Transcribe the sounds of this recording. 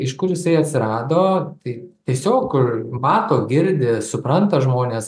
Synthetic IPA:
ɪʃkʊrjɪsɐɪɐt̪ʲsʲɪɾɑːd̪oːt̪ɐɪt̪ʲiɛsʲoːkʊmɑːt̪oːɡʲɪɾʲd̪ʲɪsʊpɾɐnt̪ɐʒmoːnʲeːs

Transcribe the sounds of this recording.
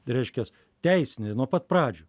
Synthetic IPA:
ɾʲɛɪʃʲkʲɛs | t̪ʲɛɪsʲɪnʲɪnuɔpɐt̪̚pɾɑːd͡ʒʲʊː

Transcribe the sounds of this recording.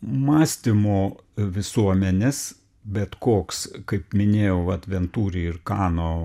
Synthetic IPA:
mɑːsʲt̪ʲɪmoːʋʲɪsuɔmʲɛnʲɪs | bʲɛt̪koːkskɐɪpmʲɪnʲeːjɛʊʋɐt̪ʲʋʲɛnt̪uːɾʲɪɪɾkɑːnoː

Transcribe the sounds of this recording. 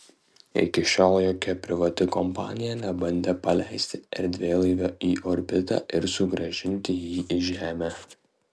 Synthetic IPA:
ɪ̰kʲɪʃʲoːlˠjoːkʲɛpʲɾʲɪʋɐt̪ʲɪkɔmpɑ̰ːnʲɪjɛnʲɛbɐnʲd̪ʲepɐlʲæɪsʲt̪ʲɪɛɾʲd̪ʲʋʲeːlˠɐɪʋʲɛʔiːʔoːɾʲbʲɪt̪ɑ̰ʔɪɾsʊɡɾɐʒʲɪnʲt̪ʲɪjiːʔɪʒʲæːmʲæ

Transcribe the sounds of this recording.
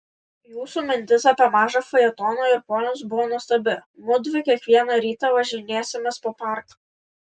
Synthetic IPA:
juːsuːmʲɪnʲt̪ʲɪsɐpʲiɛmɑːʒɐfɐjɛt̪ɔːnoːɪɾpoːnʲʊsbʊʋoːnʊst̪ɐbʲɪmʊd̪ʲʋʲɪkʲiɛkʋʲiɛnɐɾʲiːt̪ɐʋɐʒʲɪnʲeːsʲɪmʲɛspoːpɑˑɾk

